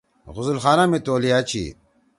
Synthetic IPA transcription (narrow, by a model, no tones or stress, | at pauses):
ɣʊzulxaːnamit̪oːliat͡ɕʰḭ